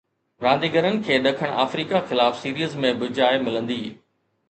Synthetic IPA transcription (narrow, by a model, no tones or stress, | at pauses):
ɾãːnd̪iːɡəɾənɪ̆kʰeːɗɐkʰəɽ̃a̰ːfɾiːkaxɪlaːfsiːɾiːzmẽbʊd͡ʑaːɪmɪlə̃nd̪iː